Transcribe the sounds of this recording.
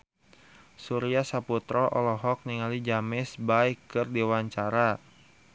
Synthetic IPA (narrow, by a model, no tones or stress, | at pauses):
suɾiasaput̪ɾɔʔɔ̰lɔɦɔk̚niŋalid͡ʒamɪsbaikːɨrdiwaɲt͡ʃaɾa